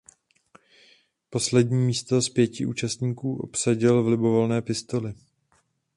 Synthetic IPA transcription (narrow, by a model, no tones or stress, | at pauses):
po̞slɛdɲiːmiːst̪o̞spjɛcɪʔṵːt͡ʃast̪ɲiːkuːʔo̞̰psaɟɪlvlɪbo̞vo̞lnɛːpɪst̪o̞lɪ